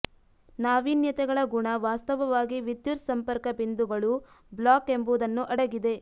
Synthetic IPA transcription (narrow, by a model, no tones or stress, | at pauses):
naːʋiːnjɐt̪ɛɡɐɭɐɡuɳɐʋaːst̪ɐʋɐʋaːɡiʋid̪juɾsɐmpɐɾkɐbind̪uɡɐɭu | blaːke̞mbuːd̪ɐnːuʔɐɽɐɡid̪e̞